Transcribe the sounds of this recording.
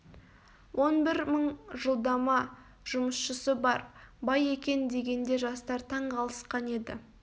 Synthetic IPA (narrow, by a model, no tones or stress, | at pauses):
wʔo̞nbɪɾməɴʒəlˠd̪ɑmɑ | ʒ̥ʊməsʃəsəbɑɾbɑje̞kʲe̞nd̪e̞ɡʲe̞nd̪e̞ʒɑst̪ɑɾt̪ʰɑɴqʰɑlˠəsqɑne̞d̪ɪ̰